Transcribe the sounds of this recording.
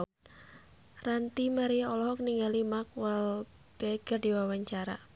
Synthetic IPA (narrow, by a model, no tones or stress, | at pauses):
rant̪imaɾiaɔlɔɦɔkniŋɡalimak̚wal | b̥eɡ̥ərdiwawaɲt͡ʃaɾa̰